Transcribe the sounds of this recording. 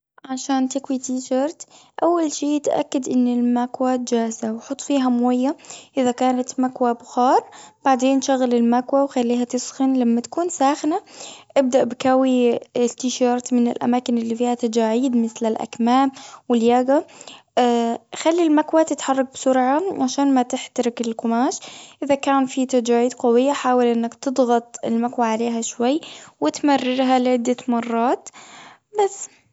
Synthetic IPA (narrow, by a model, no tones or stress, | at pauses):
ʕaʃaːnt̪ɪkwit̪iːʃɑɾˤt̪ʔawːalʃiːt̪ʔa̰kːad̪ʔɪnːɪlmakwaːt̪̚d͡ʒaːzawħʊt̪ˤːfiːɦamwajːaʔɪðakaːnat̪makwabxɑːɾˤb̥aʕd̪eːnʃaɣalɪlmakwawxalːiːɦat̪ɪsxɪnlamːat̪ḁkuːnsaːxnaʔɪb̚d̪aʔbkawiɪst̪ɪʃɑːɾˤt̪mɪnɪ̰lʔa̰maːkɪnɪlːifiːhat̪ad͡ʒaːʕiːd̪mɪθlɪlʔa̰kmaːmwɪljaːɡa | xalːilmakwat̪ɪt̪ħɑrˤːɑk̚bsʊɾʕaʕaʃaːnmat̪ɪħt̪aɾɪkɪlkʊmaːʃʔʔɪðakaːnfit̪ad͡ʒaːʕiːd̪qɑwɪjːaħaːwalʔɪnːakt̪ɨd̪ˤɣɑt̪ˤɪlmakwaʕaleːɦaʃwajːwɪt̪marːɪɾɦalɪʕɪd̪ːamɑrˤːɑːt̪ | basː